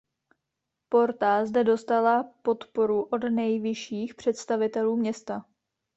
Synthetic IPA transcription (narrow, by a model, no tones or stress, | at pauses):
po̞ɾt̪azdɛdo̞st̪alapo̞t̪po̞ɾuʔo̞dnɛjvɪʃiːxpr̝̥ɛt̪st̪avɪt̪ɛluːmɲɛst̪a